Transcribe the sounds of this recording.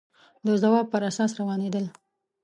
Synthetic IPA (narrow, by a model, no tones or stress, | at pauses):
d̪əzawɑb̚pəɾasɑsɾawɑned̪əl